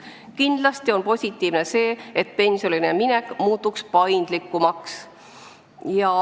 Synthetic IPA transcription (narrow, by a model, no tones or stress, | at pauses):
kind̪̥lɑst̪io̞npo̞sʲit̪ːˑiːvne̞se̞ːet̪ːˑpe̞nʲsʲjoline̞minekmuːt̪ːˑukspɑjnd̪̥likːˑumɑks | jɑ